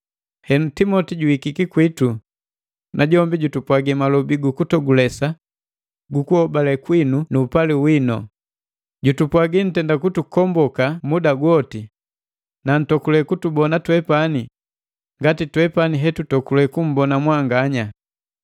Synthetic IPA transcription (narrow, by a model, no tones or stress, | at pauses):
hɛnutimɔtiɟuikikikwitu | nʔaɟɔmbiɟutupwaɡimalɔbiɡukutɔɡulɛsa | ɡukuhɔbalɛkwinunuːpaliwinɔ̰ | ɟutupwaɡin̩tɛndakutukɔmbɔkamudaɡwɔti | nan̩tɔkulɛkutubɔnatwɛpani | ŋɡatitwɛpaniɦɛtutɔkulɛkum̩bɔnamwaŋɡaɲa